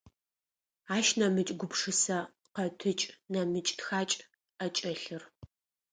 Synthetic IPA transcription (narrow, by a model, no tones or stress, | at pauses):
aːʃnɐmɨt͡ʃʼɡʷʊpʂɨsɐ | qɐtʰɨt͡ʃʼnɐmɨt͡ʃʼtxaːt͡ʃʼ | ɐt͡ʃʼɐɬɨr